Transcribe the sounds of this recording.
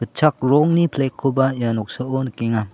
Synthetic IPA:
ɯt̚t͡ʃʰak̚ɾɔŋnipʰlekʰːobajanɔk̚saonkeŋa

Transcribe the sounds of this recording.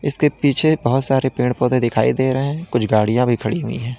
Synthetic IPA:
ɪskepiːt͡ʃʰebɐɦʊt̪saːɾepẽːɳpɔːd̪ẽd̪ɪkʰa̰ːid̪eːɾəɦɛ̃kʊt͡ʃʰɡaːɽijãbʱikʰɐɽiɦʊḭ̃ɦɛ̃ː

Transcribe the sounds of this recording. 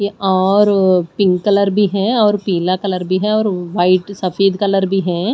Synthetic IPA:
eɔːɾpɪ̃ŋkkːɐləɾbʱiɦɛ̃ɔːɾpiːlakɐləɾbʱiɦɛ̃ɔːɾʋaːɪʈsɐfeːd̪kɐləɾbʱiɦɛ̃ː

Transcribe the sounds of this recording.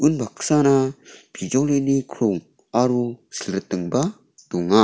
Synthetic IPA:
ʔunbʱaksanab̥id͡ʒowlenikʰɾoŋ | aɾusələt̪əŋba | t̪uŋa

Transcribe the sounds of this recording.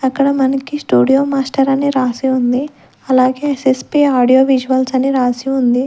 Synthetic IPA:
ɐkːɐɽɐmɐnɐkisʈuːɽijoːmaːsʈɐɾɐniɾaːsiund̪i | ɐlaːɡe̞ːsespiaːɽijoːʋid͡ʒuʋɐlsɐniɾaːsiund̪i

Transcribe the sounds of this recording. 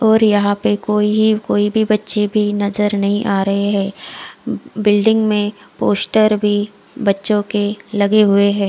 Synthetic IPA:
ɔːɾjɐɦãpekoːiɦikoːibʱibɐtːʃebʱinɐzəɾnɐɦĩʔaːɾɐɦeɦɛ̃ː | bɪlɖɪ̃ŋɡmẽpoːsʈəɾbʱi | bɐtːʃõkelɐɡeɦʊeɦɛ̃ː

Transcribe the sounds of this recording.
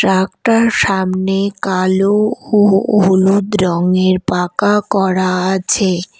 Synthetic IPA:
ʈɾakʈaɾʃamnekalooulud̪ɾɔŋeɾpakakɔɾaat͡ɕʰe

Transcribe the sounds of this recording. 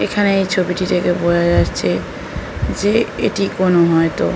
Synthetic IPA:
ekʰaneejt͡ɕʰobiʈit̪ʰekeboɾad͡ʑatt͡ɕʰe | d͡ʑeḛʈikonoɦɔet̪o

